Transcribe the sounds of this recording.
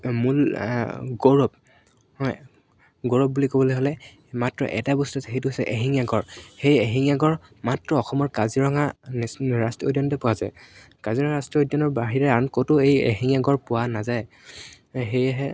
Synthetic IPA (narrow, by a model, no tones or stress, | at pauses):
mul | ɡoɹɔp̚ | hɔj | ɡoɹɔp̚bulikobɔlojɦolɛ | matɹɔ̰ʔɛ̰tabɔstuasɛɦejtuɦosɛ̰ʔeɦiŋjaɡɔɹxejeɦiŋjaɡɔɹ | matɹɔːxɔmɔɹkaziɹɔŋansɹastiodjɔntɛpʊwazaj | kaziɹɔŋaɹastiodjɔntɔɹbaɦiɹɛaɹnkotʊejḛɦiŋjaɡɔɹpʊwanazaj | ɦejaɦɛ